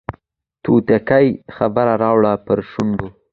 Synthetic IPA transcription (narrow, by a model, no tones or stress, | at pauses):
t̪ut̪akajxabaɾaɾɑwɽapəɾʃʊɳɖ̪o